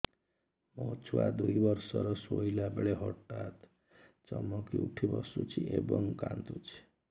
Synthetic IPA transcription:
mɔt͡ʃʰua̰d̪uibʌɾsɔɾɔsoilabeɭeɦɔʈat̪ | t͡ʃɔmɔkiuʈʰibɔsut͡ʃʰiebɔŋkant̪ut͡ʃʰi̥

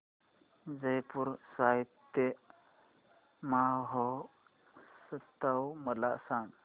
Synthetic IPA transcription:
d͡zəjpuɾsʋajt̪ːe | maɦɔ | sət̪ːawməlaʔsan

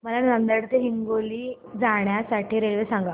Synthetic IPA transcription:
məlanə̃nd̪əɽt̪eɦiŋɡoliː | d͡zaɳjasaʈʰiːɾelʋesãŋɡa

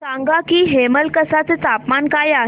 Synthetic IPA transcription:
ãŋɡakiːɦeməlkəsat͡set͡sapmankaja

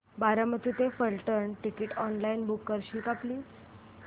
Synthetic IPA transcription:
baɾamət̪it̪efəlʈəɾɳʈikiʈɔnlainbukːəɾɕiːkapliː

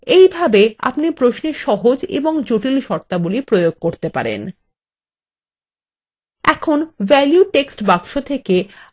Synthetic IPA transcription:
ejbʱabea̰pnipɾoʃneʃɔɦod͡ʑḛboŋd͡ʑoʈilʃɔɾt̪abulipɾojoɡ̚koɾt̪epa̰ɾḛn | ɛkʰonvɛljuʈeksʈbakʃot̪ʰeke

